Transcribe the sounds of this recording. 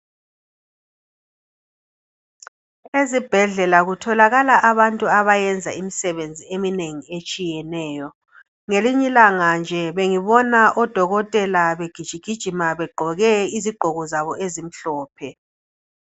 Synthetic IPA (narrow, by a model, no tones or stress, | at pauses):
ezib̥ʱɛɮɛlaɣutʰɔlaɣalaʔaβantʼuaβajɛnd͡zʱa̰imisɛβend͡zʱiemineŋiet͡ʃʼijɛnɛːjɔ | ŋeliɲilaŋand͡ʒʱɛβeŋiβɔnaʔɔd̥ʱɔɣɔtʼɛlaβeɡ̥ʱid̥ʒ̥ʱiɡ̥ʱid̥ʒ̥ʱimaβɛɡ͡ǃʱɔɣɛiziɡ͡ǃʱɔɣɔzaβɔʔezim̩ɬɔːpʰɛ